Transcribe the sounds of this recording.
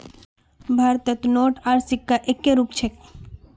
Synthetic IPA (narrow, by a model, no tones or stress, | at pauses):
bʱaɾt̪ət̪noːʈaɾsikːaʔekːeɾupt͡ʃʰek̚